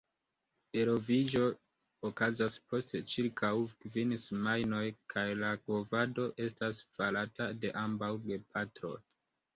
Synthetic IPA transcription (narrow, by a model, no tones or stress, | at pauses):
e̞ɾo̞vid͡ʒo̞ː | kazaspʰo̞stet͡ʃiɾkʰawkvinsmajno̞jkʰajlaɡo̞vado̞ʔe̞stasfalatade̞ʔambawɡe̞pʰatɾo̞̰j